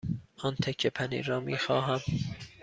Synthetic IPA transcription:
ɒːnt̪ʰekʰːepʰænḭːɾɒːmiːxɒːɦæm

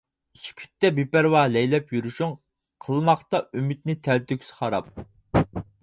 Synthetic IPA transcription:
sy̥kʲʰy̥t̪ːɛbepæɾwɑlɛjlɛpjyɾuʃuŋ | qʰəlˠmɑχt̪ɑymyt̪̚nɪt̪ʰɛlt̪ykʲsχɑɾɑ̰p̚

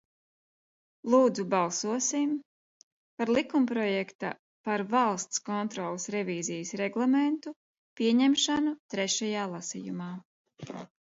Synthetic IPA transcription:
lˠuːd̪zubalˠsuɔsim | paɾlˠikumpɾɔjɛkt̪a̰ | paɾvalˠst̪skɔnt̪ɾɔːlˠsɾɛviːzijəsɾɛɡlˠament̪u | piɛɲɛmʃanut̪ɾɛʃajaːlˠasḭjumaː

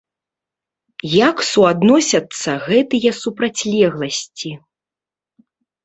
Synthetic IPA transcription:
jaksuad̪nɔsʲɐt̪sːɐɣɛt̪ɨjɛsupɾat͡sʲlʲɛɣlˠɐsʲt͡sʲi

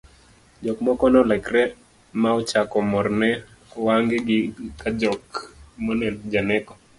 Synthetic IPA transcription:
d͡ʒɔkmɔkɔnɔlɛkrɛ | maɔt͡ʃakɔmɔrnɛ | waŋɡɪɡɪkad͡ʒɔkmɔnɛnd͡ʒanɛkɔ

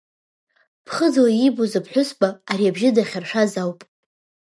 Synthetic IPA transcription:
pʰχəd͡zoaibozɨpʰħʷᶣʊsbʼaːɾiabʒɪdaχʲarʂazawpʼ

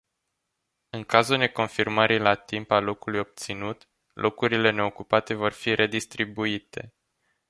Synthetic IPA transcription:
ɨŋkazulne̞ko̞nfirməɾʔilat̪impalo̞kulujo̞b̚t̪sinut̪ | lʔo̞kuɾile̞ne̞o̞kupat̪e̞vo̞rfiɾʔe̞d̪ist̪ɾibuit̪e̞

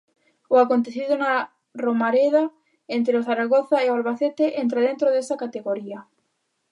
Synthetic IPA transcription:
oakont̪eθiðona | romaɾeða | ent̪ɾeoθaɾaɣoθaealβaθet̪eʔent̪ɾeð̞ent̪ɾoðesakat̪eɣoɾia

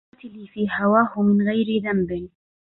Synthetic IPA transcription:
t̪ɪlifiːhawaːhʊmɪnɣajɾɪðambɪn

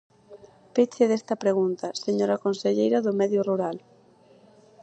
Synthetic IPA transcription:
pet͡ʃeðest̪ɐpɾeɣunt̪ɐseɲoɾɐkonseʎejɾɐðʊmɛðjʊruɾal

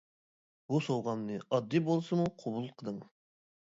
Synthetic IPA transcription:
b̥usowʁɑnnɨɑd̪ːibolˠsɨmuqʰobulˠqʰəd̪ɨŋ

